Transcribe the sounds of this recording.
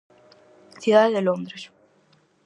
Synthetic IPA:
θjuðaðeðelond̪ɾes

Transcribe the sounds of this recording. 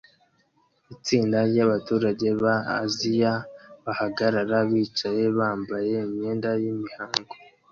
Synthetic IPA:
it͡siːndaɾɟaβatuːɾaɟe̞βa̰ːzijaβahaɡaɾaɾaβiːt͡ʃaje̞βaːmbaje̞imɲe̞ːndajimihaːŋɡo

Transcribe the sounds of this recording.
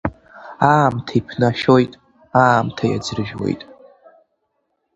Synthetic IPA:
aːmtʰipʰnaʃojtʼ | aːmtʰaja̰d͡zɨrɨʒwe̞̰jtʼ

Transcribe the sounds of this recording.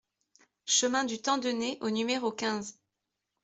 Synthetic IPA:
ʃəmɛ̃d̪yt̪ɑ̃d̪əneʔonymeʁokʲɛ̃z

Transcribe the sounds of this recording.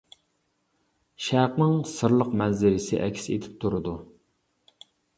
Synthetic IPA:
ʃæqnɨŋsɨɾlˠəqmɛnzɪɾɪsɪ̰ʔɛkʲsḛt̪ʰɪ̥p̚t̪ʰuɾɨd̪u

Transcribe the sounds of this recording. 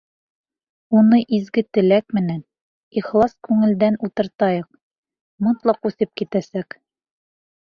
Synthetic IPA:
unɤʔizɡɘt̪ɘ̆lækmɘ̆næn | iχlˠɑskʉŋɘ̆ld̪ænut̪ɤ̆ɾt̪ɑjɤq̚ | mɤt̪lˠɑqʉθɘp̚kit̪æsæk

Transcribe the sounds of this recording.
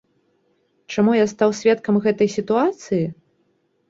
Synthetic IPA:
t͡ʂamujast̪awsʲvʲɛt̪kɐmɣɛt̪ɐjsʲit̪uat̪sɨji

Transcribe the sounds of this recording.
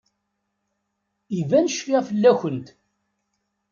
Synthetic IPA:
ivænʃkæfəlːæçənt̪

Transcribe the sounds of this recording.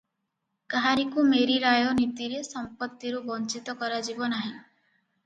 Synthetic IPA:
kaɾikumeɾiɾajɔnit̪iɾesɔmpɔt̪ːiɾubɔnt͡ʃit̪ɔkɔɾad͡ʒibɔnaɦĩ

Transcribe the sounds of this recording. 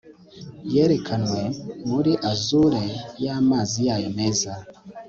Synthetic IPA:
jeɾekʰanwe̞muɾiʔazuɾejaːmaːzijaːjone̞ːza

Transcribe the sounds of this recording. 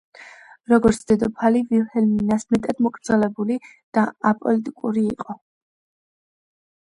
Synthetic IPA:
ɾɔɡɔɾt̪sʰd̪̥ɛd̪ɔpʰalivilhɛlminasmɛt̪ʼad̪mɔkʼʰɾd̪zɛlɛbuli | d̪̥aapʼɔlit̪ʼikʼuɾiːqʼɔ

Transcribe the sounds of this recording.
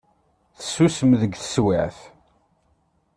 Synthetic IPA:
θə̥sːusəmðəɡθə̥swæʕθ

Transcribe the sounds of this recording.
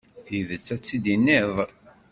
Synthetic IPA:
θiðət͡sːæt͡sːid̪inːɪðˤ

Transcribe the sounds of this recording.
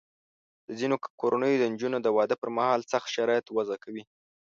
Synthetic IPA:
d̪̥əzinokoɾʔanəjod̪ənd͡ʒunod̪əwɑd̪əpəɾmahɑlsaxt̪ʃaɾɑjat̪wazakawi

